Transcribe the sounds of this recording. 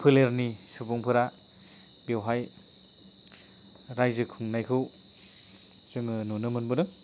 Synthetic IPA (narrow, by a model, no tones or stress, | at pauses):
pʰɯleɾnisubuŋpʰɯɾa | bewɦaj | ɾajzɯkʰuŋnajkʰɯw | z̥ɯŋɯnunɯmɯnbɯnɯŋ